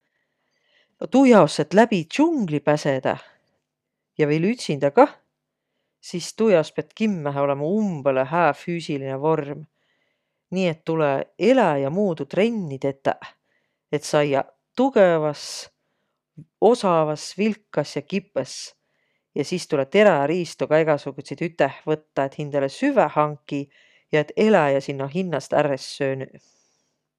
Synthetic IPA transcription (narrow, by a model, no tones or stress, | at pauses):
nt̪ujɑoset̪læbit͡ɕuŋɡ̥lipæse̞d̪̥ɑ̰ | jɑvelyt̪ʲsind̪̥ɑkɑ | sist̪ujɑospeɑt̪kimːæɦeo̞le̞mɑumb̥eleɦæːfyːsilinevo̞rm | niːe̞t̪ːulee̞læjɑmuːd̪ut̪re̞nʲːit̪e̞t̪ːˑæ̰ʔ | e̞t̪sɑjɑ̰ | t̪uɡevɑs | o̞sɑvɑsvilkːɑsjɑkipːˑes | jɑsiːst̪ulet̪e̞ɾæɑɾiːst̪uɡ̥ɑe̞ɡ̥ɑsukːuset̪yt̪ːˑehvɤt̪ːɑet̪hind̪̥elesyvæhɑŋkːˑi | jɑe̞t̪ːe̞læjɑsinːoɦinːɑst̪æ̰ɾesːøːny